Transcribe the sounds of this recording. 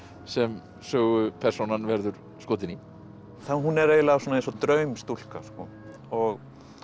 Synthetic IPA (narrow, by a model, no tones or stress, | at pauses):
sɛm | sœːɣʏpʰɛr̥sownanvɛɾðʏɾ̥ | skoːt̪ɪni | θanɦunɛɾeːjlavsɔːnẽnsɔt̪ɾœɥmst̪ul̥ka̰skɔ̰ | ɔɣ